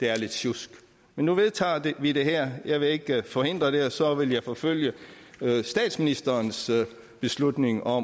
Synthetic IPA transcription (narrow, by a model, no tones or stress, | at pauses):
d̥e̝æɐle̝d̥ɕusɡ̥ | menːuʋe̝ðˠt͡sʰɑ̰̈ːd̥e̝ʋid̥e̝ɦæɐ̰jɑ̈ɪʋe̝e̝ɡ̥fɒ̽he̝n̰d̥ʁɐd̥e̝ɒ̽sɒ̽ʋe̝ljɑ̈ɪfɒ̽føl̰jə | sd̥ɛ̰ːd̥sminisd̥ɐːns | b̥e̝slud̥ne̝ŋɒ̽m